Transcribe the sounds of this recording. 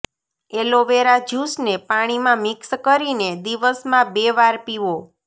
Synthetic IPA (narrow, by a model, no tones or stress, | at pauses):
eloʋeɾad͡ʒusnepaɽ̃imãmɪkskəɾined̪iʋəsmãbeʋaɾpiʋo